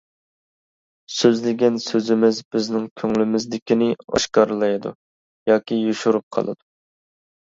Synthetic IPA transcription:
søzlɪɡʲɛnsøzɪmɪzbɪznɪŋkʲʰøŋlɪmɪzd̪ɪkʲinɪɑ̰ʃqɑɾlˠɑjd̪ṵ | jɑːkʲijuʃuɾup̚qʰɑ̰lˠɨ̰d̪u

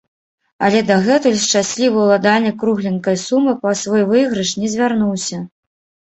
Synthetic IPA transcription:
ɐ̰lʲɛd̪ɐɣɛt̪ulʲʂt͡ʂasʲlʲivɐwlˠad̪alʲnɐkɾuɣlʲinkɐjsumɨpɐsvɔjvɨɣɾɨʂnʲɛzʲvʲarnuwsʲɐ

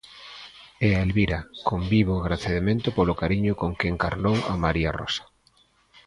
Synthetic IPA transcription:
eaelβiɾakombiβoɣɾaθeðemẽnt̪ʊpolʊkaɾiɲʊkoŋkeŋkaɾlowa̰maɾia̰rɔ̰sḁ

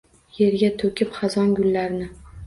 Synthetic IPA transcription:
je̞ɾɡʲat̪ʰɵkʲɪpχɑzɒnɡʲʊlːaɾnɪ

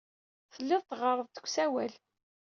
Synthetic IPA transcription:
θəlːɪðˤt̪ʁəɾˤəðˤt̪ə̥kʷːsæwæl

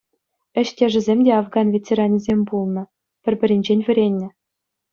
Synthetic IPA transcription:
ɘ̆ɕtʲeʐɘ̆zʲemʲdʲeɑfɡɑnvʲet͡sʲeɾɑnʲizʲemʲbulˠnɤ̆ | pʲɘ̆rʲbʲɘ̆ɾʲenʲd͡ʑenʲʋʲɘ̆ɾʲenʲːɘ̆

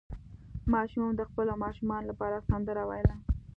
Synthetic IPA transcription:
mɑʃummd̪əxpəlomɑʃumɑnolapɑɾasand̪əɾawajla

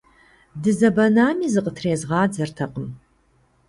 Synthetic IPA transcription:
dɨzɐbɐnaːmiːzɨqʼətʰreːzʁɑːd͡zɐrtʰɐqʼəm

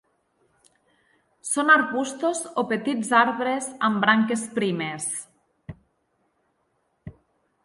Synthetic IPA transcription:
sonaɾɣust̪ozopet̪id͡zaɾβɾezambɾaŋkespɾimes

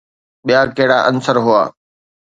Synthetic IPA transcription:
ɓijakɐɦɪɽaːʔənsəɾɦʊa̰ː

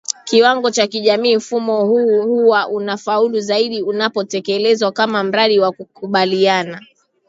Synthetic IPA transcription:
kiwaŋɡɔt͡ʃakiʄamiːm̩fumɔhuhuwaʔunafauluzaiɗiunapɔtɛkɛlɛzwakamam̩ɾaɗiwakukuɓaliana

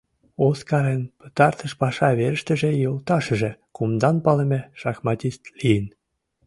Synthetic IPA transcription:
oskɑɾenpə̥̆t̪ɑrt̪ə̆ʃpɑʃɑβeɾə̆ʃt̪ə̆ʒĕjolt̪ɑʃə̆ʒĕkumd̪ɑnpɑlĕmʲeʃɑxmɑt̪ʲist̪lijən

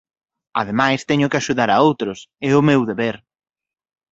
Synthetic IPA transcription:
a̰ðemajst̪ɛɲʊkɪaʃuðaɾaowt̪ɾʊsɛʊmewðeβeɾ

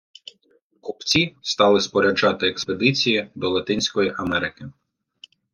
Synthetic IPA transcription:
kupt͡sʲist̪ɑlˠɪspɔɾʲɛd͡ʒɑt̪ɪeksped̪ɪt͡sʲijid̪ɔlˠɐt̪ɪnʲsʲkɔjiʔɐmɛɾɪkɪ

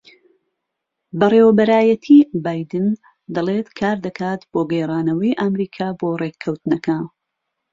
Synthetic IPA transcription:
bɐreːwɐbɐɾaːjɐt̪ʰibaːjd̪ɨn | d̪ɐleːt̪kʰaːɾd̪ɐkʰaːt̪b̥oːɡɛjrˤaːnɐwɐjʔɐmɾiːkʰaːboːrekʰɐwt̪nɐkʰaːn

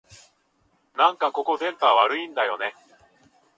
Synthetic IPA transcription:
nãŋkako̞ko̞zẽ̞mp̪aβaɾɯ̟ĩnd̪ajo̞̰ne̞

